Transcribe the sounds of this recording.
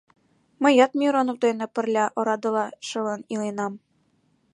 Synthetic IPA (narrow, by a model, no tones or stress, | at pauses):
mə̆jɑt̪mʲiɾonowd̪enĕpɘ̆rlʲæʔŏɾɑd̪ɤ̆lɑʃɤ̆lɤ̆nilenɑm